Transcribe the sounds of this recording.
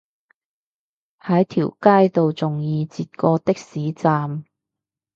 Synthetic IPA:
hɐ˨˥jt̪ʰḭː˨˩wkaː˥jt̪o˨wt͡sʊ˨˩ŋjiː˧t͡siː˨t̚kɔː˧t̪ɪ˥k̚siː˨˥t͡saː˨m

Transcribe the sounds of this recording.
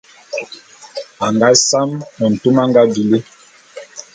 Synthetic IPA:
a˨ŋɡa˦sa˦mɔ˨n̩˨tu˦ma˦ŋɡa˦bi˨le˦

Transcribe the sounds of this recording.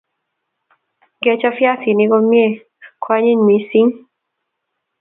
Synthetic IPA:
ɡɛ˨˦t͡ʃa˦fja˦si˨ni˦ɡɔ˦mje˦˨ | kʰwa˦ɲi˦ɲmi˨si˦ŋ

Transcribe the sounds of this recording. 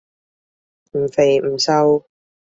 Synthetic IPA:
m̩˨˩fe˨˩jm̩˨˩sɐ˧w

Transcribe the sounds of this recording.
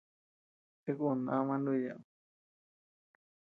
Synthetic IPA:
t̪e˦ku˦˧˨na˦˧mã˧ndu˦˧˨ja̰˨

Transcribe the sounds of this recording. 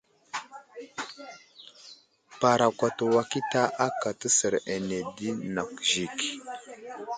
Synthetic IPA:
pa˨ɾa˨kʷa˨tə˨wa˨ki˦ta˦ʔa˦ka˨tə˦sə˨ɾe˨ne˨di˦na˨kʒi˨k

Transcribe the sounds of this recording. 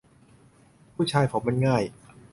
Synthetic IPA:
pʰuː˥˩t͡ɕʰaː˧jpʰo˩˦mːa˧nŋaː˥˩j

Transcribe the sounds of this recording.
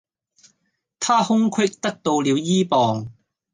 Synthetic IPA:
t̪ʰaː˥hʊ˥ŋkʰwɪ˥k̚t̪ɐ˥k̚t̪o˧wliː˨˧wjiː˥pɔː˨ŋ

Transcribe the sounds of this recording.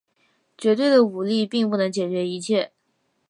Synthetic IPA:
t͡ɕɥɛ˧˥t̪we˥˩ɪd̪ə˩u˨˩li˥˧pi˥˧ŋp̬u˥˩nɤ˧˥ŋt͡ɕjɛ˨˩t͡ɕɥɛ˧˥i˧˥t͡ɕʰjɛ˥˩

